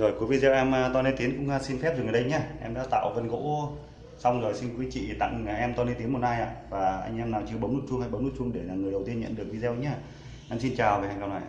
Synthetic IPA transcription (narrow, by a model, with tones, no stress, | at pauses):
zo˨˩jku˨˦vi˧zɛ˧wʔɛ˧m˧t̪ɔ˧ne˧nt̪i˨˦nkʊ̰˧˥ŋ͡ma˧si˧nfɛ˦˥p̚zɨ˨˩ŋə˨˩ɗə˧jɲaː˧˩ʔɛ˧mɗa̰ː˧˥t̪a̰ː˧˨wvə˧nɣo̰˧˥ | sa˧wŋ͡mzo˨˩jsi˧nkui˨˦t͡ɕḭ˧˨t̪a̰˧˨ŋ˨˩ʔɛ˧mt̪ɔ˧ne˧nt̪i˨˦nmo˨˩t̚naː˧jʔa̰ː˧˨vaː˨˩ʔa̰˧jŋ̟ʔɛ˧mnaː˨˩t͡ɕɨ˧əɓə˨˦mnu˦˥t̚t͡ɕʊ˧ŋha˧jɓə˨˦nu˦˥t͡ɕʊ˧ŋ͡mɗe˧˩ɲaː˨˩ŋɨ˨˩jɗə˨˩wt̪i˧əɲə̰˧˨nɗɨ˨˩ək̚vi˧zɛ˧wɲaː˧ | ʔɛ˧msi˧nt͡ɕaː˨˩wve˨˩haː˧jŋka˧wnaː˧˨jʔ